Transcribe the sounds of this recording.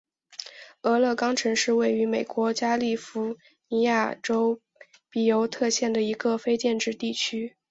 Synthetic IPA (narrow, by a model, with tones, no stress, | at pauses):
ɤ˧˥lɤ˥˩kɑ˥ŋʈ͡ʂʰɤ˧˥ŋʂɻ̩˥˧we˥˩ɪy˧˥me˨˩ɪkwɔ˧˥t͡ɕja˥li˥˩fu˧˥ | ni˧˥ja˥˩ʈ͡ʂo˥ʊ | pi˨˩jo˧˥ʊt̪ʰɤ˥˧ɕjɛ˥˩nd̪ə˩i˧˥ɡə˧fe˥ɪt͡ɕjɛ˥˧nʈ͡ʂɻ̩˥˧t̪i˥˩t͡ɕʰy˥